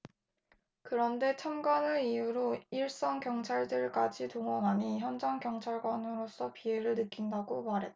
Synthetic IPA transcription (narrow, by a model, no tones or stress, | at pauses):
kɯɾʌnde̞t͡ɕʰamɡwanɯiuɾoiɭs͈ʌŋkjʌŋt͡ɕʰaɭdɯɭk͈ad͡ʑitoŋwʌnɦaɲiçjʌnd͡ʑaŋkjʌŋt͡ɕʰaɭɡwanɯɾos͈ʌpie̞ɾɯɭnɯk͈indaɡomaɾɦe̞t̚t͈a